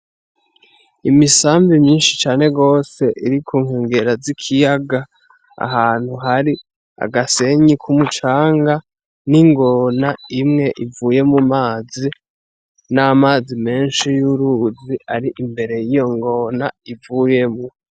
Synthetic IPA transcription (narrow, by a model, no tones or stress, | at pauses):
imisaːmbimɲiːnʃit͡ʃaːne̞ɡo̞ːse̞ʔiɾikʰuːŋheːŋɡe̞ɾazikʰijaɡa | a̰ɦaːn̥huɦaɾi | a̰ɡase̞ɲikʰumut͡ʃaːŋɡa | niŋɡo̞naimŋe̞ʔivuːje̞mumaːzi | namaːzime̞ːnʃijuɾuziaɾiʔimbe̞ɾe̞jijo̞ŋɡo̞naivuje̞mu